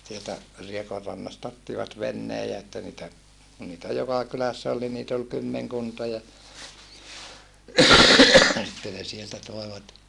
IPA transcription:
sieltæ riekorːɑnːɑstɑ otːiʋɑt ʋenːeː jɑ etːæ niːtæ kun niːtæ jokɑ kylæsːæ ol ni niːt ol kymːeŋkuntɑ jɑ sitːe ne sieltæ toeʋɑt

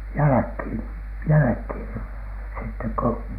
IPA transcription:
jælækhiˑn jælækhiˑn sitːek ko

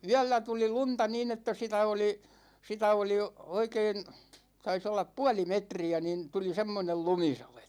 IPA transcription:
yælːæ tuli luntɑ niːn etːæ sitæ oli sitæ oli oikeːn tɑis olːɑp puɑli metriæ nin tuli semːonel lumisɑlet

